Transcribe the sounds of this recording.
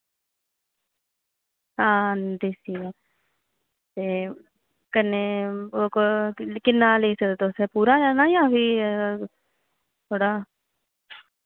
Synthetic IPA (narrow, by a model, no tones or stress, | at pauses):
ɦãːd̪eːsiːɛː | t̪eː | kəneoːkokɪnːaːleːsəd̪t̪oːsɛpuːɾaːd͡ʒaːnaːjãːbiː | t̪ʰoːɽaː